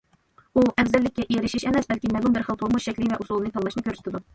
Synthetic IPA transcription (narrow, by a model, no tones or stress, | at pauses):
uʔɛvzɛlːɪkʲːɛʔiɾɪʃiʃɛmɛsbɛlkʲimɛlumbɪɾχəlˠt̪ʰomuʃʃɛkʲlɪvɛʔusulˠɨnɨt̪ʰɑŋlˠɑʃnɨkʲʰøɾsy̥t̪ʰɪd̪u